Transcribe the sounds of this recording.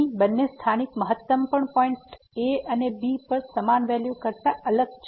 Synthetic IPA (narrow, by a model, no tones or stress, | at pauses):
ibənːest̪ʰanikməɦət̪ːəmpəɳpɔiɳʈ | eənebipəɾsəmanʋɛljukəɾt̪aʔələɡ̚t͡ʃʰ